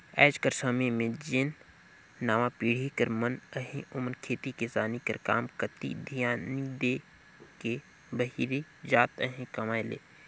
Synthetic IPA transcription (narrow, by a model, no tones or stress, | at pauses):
ɛ̰ːd͡ʒkəɾsɐməjmẽd͡ʒɪnː | aːʋapiːɽ̤ikəɾmənəɦẽʔʊmənkʰeːt̪ikɪsaːnikə̰ɾkaːmkət̪ḭd̪ʱijaːnid̪e | ke | bəɦiːɾed͡ʒaːt̪əɦẽkɐmaːelḛː